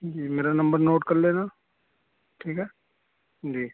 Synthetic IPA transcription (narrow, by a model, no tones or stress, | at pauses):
d͡ʒiːmeːɾanɐmbəɾnoːʈkɐɾleːnaː | ʈʰiːkɦɛː | d͡ʒiː